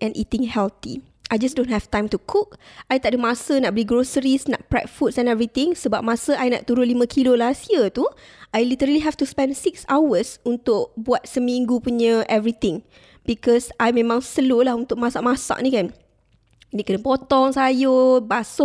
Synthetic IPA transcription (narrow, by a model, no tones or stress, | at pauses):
ʔɛ̃nʔḭt̪ĩŋhɛlt̪ḭ | ʔajd͡ʒasdõnthɛft̪ãjmt̪ukʰuk̚ajt̪aʔ̚dəmasənaʔ̚bəliɡɾosəɾisna̰ʔ̚pɾɛ̰t̚fut̚sɛ̃nɛvɾit̪ɪ̃ŋsəbap̚mãsəʔajna̰ʔt̪uɾunlimə̃kʰilolasiət̪uʔajlit̪əɾəliɦɛft̪uspɛ̃ndsiksawəsunt̪ʊkbuat̪̚səmĩŋɡupuɲəʔɛvɾit̪ɪ̃ŋ | bikɔsajmẽmãŋsəlolahunt̪ʊk̚masa̰ʔmasa̰ʔnĩkan | niʔ̚kənəpɔt̪ɔŋsajobaso